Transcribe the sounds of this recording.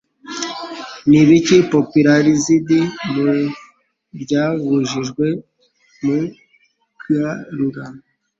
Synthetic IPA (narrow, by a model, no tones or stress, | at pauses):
niβicipopiɾaɾizidimu | bɟaβuʒiʒɡwe | mu | kaɾuɡan